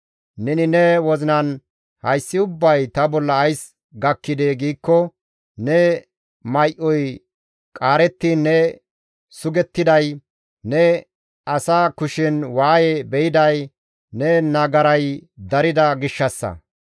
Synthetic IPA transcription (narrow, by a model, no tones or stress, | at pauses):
nɛnɪnɛwɔzɪnɐn | hɐjsːɪʊbːɐjt̪ɐbɔlːɐːjs | ɡɐkːɪd̪eːɡiːkːɔ | nɛ | mɐjʔɔj | kʼaːɾɛt̪ːinːɛ | sʊɡɛt̪ːɪd̪ɐj | nɛ | ɐsaːkʊʃɪnwaːjɛbɛjɪd̪ɐj | nɛnɐɡɐɾɐjd̪ɐɾɪd̪ɐɡɪʃːɐsːɐ̰